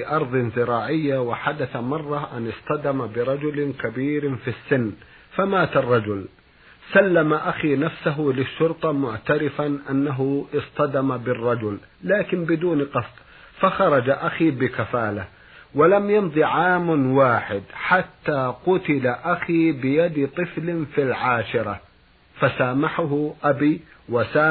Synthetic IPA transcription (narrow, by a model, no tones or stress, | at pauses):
ʔɑɾˤðˤɨnzɪɾɑːʕɪjːawaħad̪aθamɑrˤːɑʕʔanɪsˤt̪ˤɑd̪amabɪɾˤɑd͡ʒʊlkabiːɾfisːɪnː | famaːt̪ɑrˤːɑd͡ʒʊl | salːamaʔaxiːnafsaɦʊlɪʃːʊɾt̪ˤɑmʊʕt̪aɾɪfanʔanːaɦʊʔɪsˤt̪ˤɑd̪amabɪrˤːɑd͡ʒʊlː | aːkɪnbɪd̪uːnqɑsˤt̪ˤ | faxɑɾˤɑd͡ʒaʔaxiːbɪkafaːla | walamjɑnðˤiʕaːmwaːħɪd̪ħat̪ːaːqʊt̪ɪlaʔaxiːbɪjad̪t̪ˤɨflɪfilʕaːʃɪɾˤɑ | fasaːmaħʊɦʊʔabiːwasaː